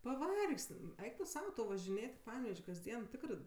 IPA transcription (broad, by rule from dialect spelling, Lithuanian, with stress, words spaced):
pɐˈʋɐrksʲtʲ m ˈɛɪk tʊ ˈsɐʊ ʋɐʒʲɪˈnʲeːtʲ ɪ ˈpɑːnʲɛʋʲɛʃʲ kɐzʲˈdʲiɛn ˈtʲɪkrɜ